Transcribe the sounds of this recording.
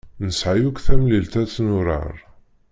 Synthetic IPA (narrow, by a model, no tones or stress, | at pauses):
nəsʕajukθæmlilt̪æt͡sːnʊɾˤə̰ɾˤ